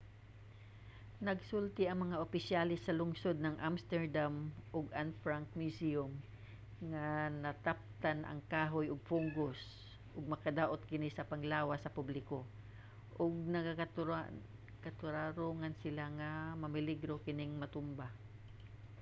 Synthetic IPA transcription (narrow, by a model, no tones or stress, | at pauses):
nɐɡsʊlt̪ɪɐŋmɐŋaʔʊpɪsjalɛsːɐlʊŋsod̪̚nɐŋʔamst̪ɛɹd̪amʔʊɡanfɹaŋk̚mjʊsiʊm | ŋanɐt̪ap̚t̪anʔɐ̰ŋkaːɦojʊɡ̚fʊŋɡʊs | ʔʊɡ̚mɐkɐd̪aːʔot̪̚kɪnisɐpɐŋlaːwasɐpublɪko | ʔʊɡ̚nɐka | kat̪ʊɾaɾuŋansɪlaŋamɐmɪlɪɡɾokɪnɪŋmɐt̪ʊmba